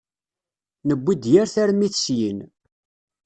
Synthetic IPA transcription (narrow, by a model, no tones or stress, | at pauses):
nəbʷːid̪jæɾθæɾmiθsjən